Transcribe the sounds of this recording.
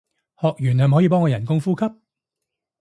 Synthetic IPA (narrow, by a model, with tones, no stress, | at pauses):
hɔː˨k̚jyː˨˩nhɐ˨m˨ɦɔ˨˥jiː˧pɔː˥ŋkɔː˧jɐ˨˩nkʊ˥ŋfuː˥kʰɐ˥p̚